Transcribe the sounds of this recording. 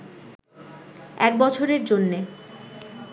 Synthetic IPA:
ɛk̚bɔt͡ɕʰoɾeɾd͡ʑonːe

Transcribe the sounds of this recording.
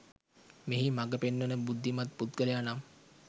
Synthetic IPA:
meɦimaɡəpenːənəbud̪ʱːimat̪̚put̪ɡələjanam

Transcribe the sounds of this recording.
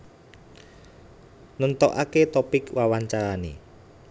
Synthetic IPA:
nənt̪ɔʔaket̪ɔpɪkwawaɲt͡ʃaɾanḛ

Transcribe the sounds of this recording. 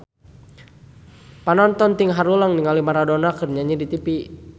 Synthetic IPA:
panɔnt̪ɔnt̪iŋɦaɾulaŋniŋalimaɾadɔnakɨrɲaɲidit̪ipi

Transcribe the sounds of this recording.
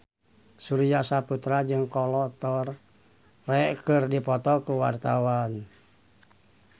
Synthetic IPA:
suɾijasaput̪ɾad͡ʒɨŋkɔlɔt̪ɔrː | ɛʔkɨrdipɔt̪ɔkuwa̰rt̪awan

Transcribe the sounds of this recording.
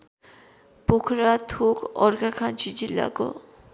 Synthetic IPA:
pokʰɾat̪ʰukɔɾɡakʰant͡ʃid͡ʑilːa̰ko̰

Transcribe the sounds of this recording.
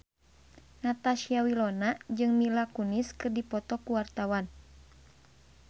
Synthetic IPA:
nat̪aʃiawilɔnad͡ʒɨŋmilakuniskɨrdipɔt̪ɔkuwart̪awan

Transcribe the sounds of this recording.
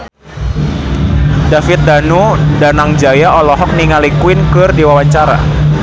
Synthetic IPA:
dafɪt̪̚danudanaŋd͡ʒajaɔlɔɦɔk̚niŋalikwɪnkɨrdiwawaɲt͡ʃaɾa̰

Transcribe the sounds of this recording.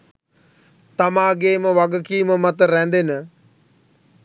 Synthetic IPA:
t̪amaːɡeːməʋaɡəkiːməmat̪əɾænd̪enə

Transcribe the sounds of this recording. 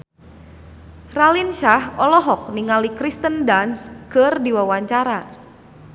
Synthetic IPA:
ralinʃahɔlɔɦɔk̚niŋalikɾist̪əndanskərdiwawaɲt͡ʃaɾa

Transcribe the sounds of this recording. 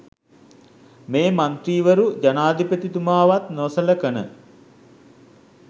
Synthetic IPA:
meːmant̪ɾiːʋəɾud͡ʒanaːd̪ipət̪it̪umaːʋat̪nosələkənə̰

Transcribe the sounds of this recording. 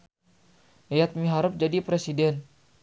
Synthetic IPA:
jat̪̚miɦaɾəp̚d͡ʒadipɾesidɛn

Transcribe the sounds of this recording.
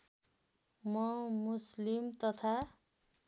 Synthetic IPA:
mʌmuslimt̪ʌt̪ʰa

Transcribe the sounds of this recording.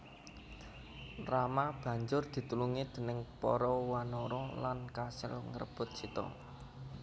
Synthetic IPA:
ramab̥ä̤ɲd͡ʒʊrd̪̥i̤t̪uluŋid̪̥ə̤nəŋpɔɾɔwanɔɾɔlankasɪ̰lŋərb̥ʊ̤t̪̚t͡ʃit̪ɔ̰

